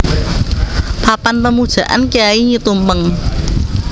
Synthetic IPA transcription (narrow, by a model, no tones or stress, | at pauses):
papanpəmud̥ʒ̥ä̤ʔa̰nkijaiɲit̪umpəŋ